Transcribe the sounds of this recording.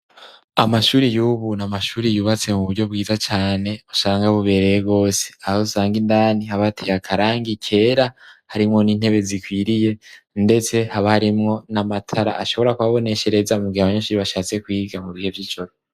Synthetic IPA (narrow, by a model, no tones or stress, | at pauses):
amaʃuːɾijuːβunamaʃuːɾijuːβat͡se̞muβuɾɟo̞b̚ɡiːzat͡ʃaːne̞osaːŋɡaβuβe̞ɾe̞jeɡo̞ːse̥ahosaːŋɡindaːnihaβatʰejakʰaɾaːŋɡikʰe̞ːɾahaɾimŋo̞niːn̥he̞βe̞zikwiɾije̞ | nde̞t͡se̞haβahaɾimŋo̞namatʰaɾa̰ʔaʃo̞βoɾakuβaβo̞ne̞ʃe̞ɾe̞zamuɡihaβaɲaʃuːɾiβaʃaːt͡se̞kwiːɡamuβihe̞vjiːd͡ʒo̞ɾo